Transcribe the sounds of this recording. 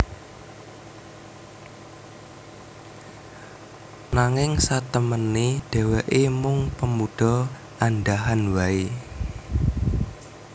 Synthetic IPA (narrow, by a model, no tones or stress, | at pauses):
naŋɪŋsat̪əmənːeɖ̥ɛ̤wɛʔemʊŋpəmuɖ̥ɔ | ʔandaɦanwae